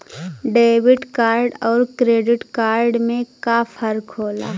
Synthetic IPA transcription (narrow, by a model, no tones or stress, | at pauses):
ɖeːʋɪʈkaːɾɖɔːɾkɾeːɖɪʈkaːɾɖmẽkafəɾkɦoːla̰ː